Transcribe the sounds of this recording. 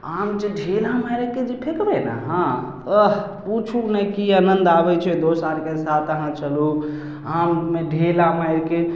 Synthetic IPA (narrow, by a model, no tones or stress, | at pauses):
amd͡ʒeɖʱelamajɾked͡ʒepʰekbɛna̰ɦãt̪ə | put͡ʃʰunɛjkianənd̪abɛt͡ʃʰɛd̪osaɾkesat̪əɦãt͡ʃəlu | ammeɖʱelamajɾke